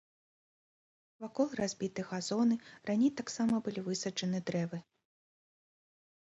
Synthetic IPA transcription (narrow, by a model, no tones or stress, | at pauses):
vakɔlˠrazʲbʲit̪ɨɣazɔnɨranʲejt̪aksamɐbɨlʲivɨsɐt͡ʂɐnɨd̪ɾɛvɨ